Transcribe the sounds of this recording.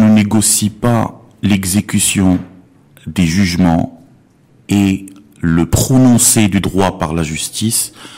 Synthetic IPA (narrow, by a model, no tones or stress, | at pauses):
nəneɡɔsipa | lɛɡzekʲysjɔ̃ | d̪eʒyʒmɑ̃ | e | ləpχɔnɔ̃sed̪yd̪ʁwapaʁlaʒyst̪is